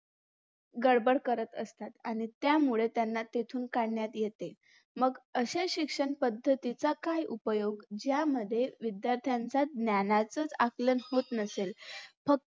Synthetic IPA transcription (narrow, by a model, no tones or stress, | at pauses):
ɡəɽbəɽkəɾət̪əst̪at̪aɽ̃it̪jamuɭet̪janːat̪et̪ʰuːnkaɽɳjat̪jet̪e | məɡəɕeɕikʂəɳpəd̪ʱːət̪it͡sakajʔupəjoɡd͡ʑjaməd̪ʱːjeʋid̪jaɾt̪ʰjant͡sad̪njanat͡sət͡saklənhot̪nəselfək̚